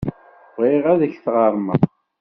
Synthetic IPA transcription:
ʁiʁæðəçθʁɑɾˤmə̰ʁ

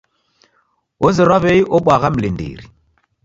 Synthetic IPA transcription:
oziɾaβejʔoɓʷaɣamlindḭɾi

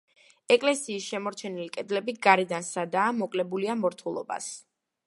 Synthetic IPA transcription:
ɛkʼlɛsiːsʃɛmɔɾt͡ʃʰɛnilikʼɛd̪lɛbiɡaɾɛd̪ansad̪aːmɔkʼlɛbuliamɔɾt̪ʰulˠɔ̰ba̰s

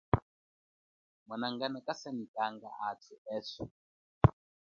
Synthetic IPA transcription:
mwanaŋɡanakasanikʼaŋɡa̰ʔatʰuɛːsɔ

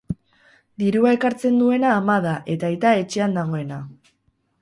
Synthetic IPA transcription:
d̪iɾuae̞kaɾt͡se̞nd̪ue̞naːmaðaʔe̞t̪aet̪ae̞t͡ʃe̞and̪aɣ̞o̞e̞na

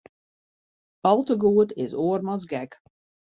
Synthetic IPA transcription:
ɔlˠtəɡuətɪsoərmazɡɛk

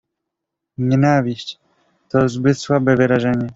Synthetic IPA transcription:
ɲɛnavʲiɕt͡ɕ | t̪ɔzbɘt̪swabɛvɘɾaʐɛɲɛ

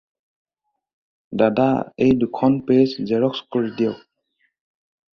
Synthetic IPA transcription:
dadaḛjdukʰɔnpeszɛɹɔkskɔɹidiɛ

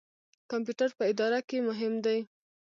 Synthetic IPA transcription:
kamp̬juʈaɾpəɪd̪ɑɾakemʊɦɪmd̪aj

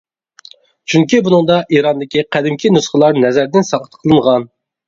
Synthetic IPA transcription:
t͡ʃʰyŋkʲibunɨŋd̪ɑʔiɾɑnd̪ɪkʲiqʰæd̪ɪmkʲʰinusχəlˠɑɾnɛzæɾd̪ɪnsɑqə̥t̪ʰqʰəlˠɨnʁɑn

